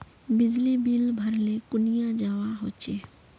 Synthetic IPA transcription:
bɪd͡ʒlibilbʱəɾlekʊnijad͡ʒaːwaɦoːt͡ʃeː

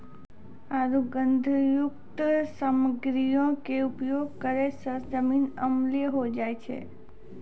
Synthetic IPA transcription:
aɾuɡənd̪ʱjukt̪səməɡɾijõkeupjoɡ̚kəɾesəsd͡ʒəminəmliəɦod͡ʒajt͡ʃʰḛ

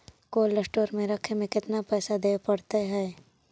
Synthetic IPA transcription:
koːlːəsʈoːɾmẽɾɐkʰemẽkɪt̪napɛːsad̪eːpɐɽt̪eɦɛː

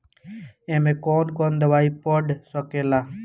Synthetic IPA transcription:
ẽmẽkoːnkoːnd̪əʋaːiːpɔɖsɔkeːlaː

